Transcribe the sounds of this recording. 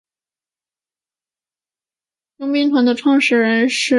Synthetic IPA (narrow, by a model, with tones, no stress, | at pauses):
jʊ˥ŋmi˧˥ŋt̪ʰwa˧˥nd̪ə˧ʈ͡ʂʰwɑ˥˧ŋʂɻ̩˥˩ɻə˧˥nʂɻ̩˥˩